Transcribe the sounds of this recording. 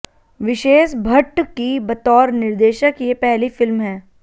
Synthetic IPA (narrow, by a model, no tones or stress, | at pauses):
ʋɪʃeːʃbʱɐʈkibɐt̪ɔːɾnɪɾd̪eːʃəkjepɛɦlifɪlmɦɛː